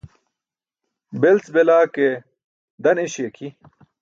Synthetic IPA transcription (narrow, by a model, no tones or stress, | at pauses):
belt͡sbelaːke | d̪ɐneɕeːkʰi